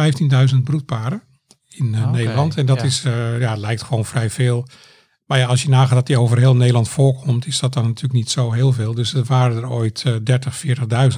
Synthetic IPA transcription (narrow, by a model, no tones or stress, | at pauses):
ɛjftindœɥzənt̚brut̚paːɾə | ɪnːejdəlɑntʰɛndɔtɪsjalɛjktχʋownfrɛjveːlˠ | majaɑlˠsjənaːχadɔtdiowvərɦeːlˠnejdəlˠɑntfoːrkʰɔmtɪsdɔt̚dɔnatʰyːləknitsowɦɪːlˠveːlˠdøsəʋaːɾədəroːjtːdɛɹtəχfɪːɹtəχdœɥzən